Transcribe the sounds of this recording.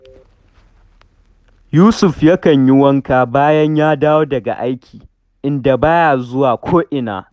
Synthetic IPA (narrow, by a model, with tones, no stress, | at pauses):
juː˦sʊ˨ɸjɐ˦kɐ˨ɲjɪ˦wɐ˦ŋkaː˨baː˦jɐ˦ɲjaː˦daː˦woː˦dɐ˨ɡa̰˨ʔa˦jkʲʰiː˨ | ʔɪ˦nda˨baː˦ja˨zʊ˦waː˨kʷʰoː˦ʔɪ˨na̰ː˨